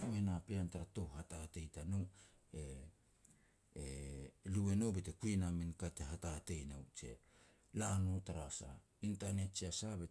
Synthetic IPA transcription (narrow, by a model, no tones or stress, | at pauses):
uenapeantaɾato̞hhatate̞jtano | e | lue̞no̞bete̞kuenamenkateɦatate̞jnawt͡ʃe̞̰ | lanotaɾasa̰ | intane̞t̚t͡ʃiasabe